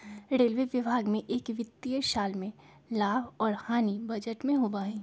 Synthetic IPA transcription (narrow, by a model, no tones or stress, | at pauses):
ɾeːlʋeʋɪbʱaːɡmẽʔeːkʋɪt̪ːiəʃaːlmẽ | laːbɔːɾhaːnibɐd͡ʒəʈmẽɦoːbaːĩː